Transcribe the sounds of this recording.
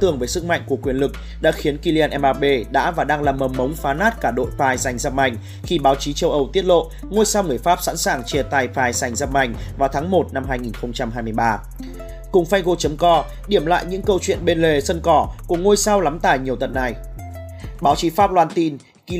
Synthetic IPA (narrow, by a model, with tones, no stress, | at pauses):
t̪ɨ˨˩əŋvə˨˦jsɨ˦˥k̚ma̰˧˨jŋ̟ku˧˩əkwi˨˩ənlɨ˨˩k̚ | ɗa̰ː˧˥xi˨˦ənki˧li˧aː˧nʔɛ˧mʔaː˧ɓe˧ɗa̰ː˧˥vaː˨˩ɗaː˧ŋlaː˨˩mːəː˨˩mə˨˦wŋ͡mfaː˨˦naː˦˥t̚kaː˧˩ɗo̰˧˨jfaː˧˩jza˨˩jŋ̟zə˧p̚ma˨˧˩jŋ̟ | xi˧ɓaː˨˦wt͡ɕi˨˦t͡ɕə˧wʔə˧wt̪i˦˥ət̚lo̰˧˨ | ŋo˧jsa˧wŋɨ˧˩əjfaː˦˥p̚sa̰˧˥nsaː˨˩ŋt͡ɕi˧˩ət̪aː˧˩jfaː˧˩jsa˨˩jŋzə˧˥p̚ma̰˧˩jŋ̟vaː˨˩wt̪ʰaː˨˦ŋmo˨˩t̚na˧mɦaː˧jŋi˨˩nxə˧wŋ͡mt͡ɕa˧mɦaː˧jmɨ˧əjɓaː˧ | kʊ˨˩ŋ͡mfa˧jŋɣo˧t͡ɕə˨˦mkɔ˧ | ɗi˧˩əmla̰ː˧˨jɲɨ̰˧˥ŋkə˧wt͡ɕwḭ˧˨nɓe˧nle˨˩sə˧nkɔ˧˩ku˧˩əŋo˧jsa˧wla˨˦mt̪a̰ː˧˩jɲi˨˩əwt̪ə˨˩t̚na˨˩j | ɓaː˨˦wt͡ɕi˨˦faː˦˥p̚lwaː˧nt̪i˧n | k